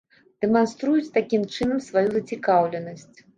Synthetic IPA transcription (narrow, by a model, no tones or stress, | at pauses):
d̪̥ɛmanst̪ɾujut͡sʲt̪akʲimt͡ʂɨnɐmsvajuzɐt͡sʲikawlʲɛnɐsʲt͡sʲ